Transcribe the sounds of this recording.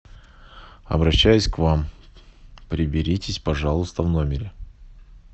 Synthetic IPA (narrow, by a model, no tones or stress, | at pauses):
ɐ̰bɾɐɕːæjʊsʲkvam | pɾʲɪbʲɪɾʲitʲɪsʲpɐʐalˠʊst̪əvnomʲɪɾʲɪ